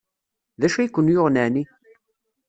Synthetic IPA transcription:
ðæʃæjikʷːənjʊʁnæni

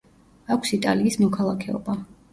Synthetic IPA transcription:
akʷʰsit̪ʼaliːsmɔkʰalˠakʰɛɔ̰ba

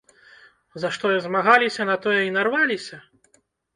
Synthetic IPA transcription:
zɐʂt̪ɔjɐzmaɣalʲisʲɐnɐt̪ɔjɛinarvalʲisʲɐ

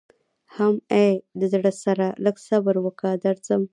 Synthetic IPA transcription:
hamejd̪əzɽəsaɾaləɡsabəɾwəkad̪aɾzəm

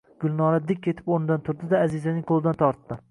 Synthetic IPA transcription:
ɡ̥ʊlˠnɒɾad̪ɪk̚ʲkʰʲːe̞t̪ʰɪ̥poɾnɪd̪ant̪ʰʊɾd̪ɪd̪aːzɪzanɪŋqʰolˠɪd̪ant̪ʰɒɾt̪ːɪ

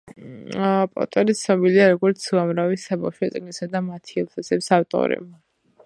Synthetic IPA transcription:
pʼɔ̰t̪ʼɛɾit̪sʰnɔbiliaɾɔɡɔɾt̪sʰuamɾavisabafʃwɔt̪sʼiɡnisad̪amat̪ʰiɛlˠt̪ʰasɛpsaft̪ʼɔ̰ɾɛ̰ba

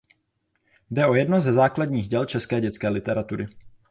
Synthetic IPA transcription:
dɛʔo̞jɛdno̞zɛzaːkladɲiːɣɟɛlt͡ʃɛskɛːɟɛt͡skɛːlɪt̪ɛɾat̪uɾɪ

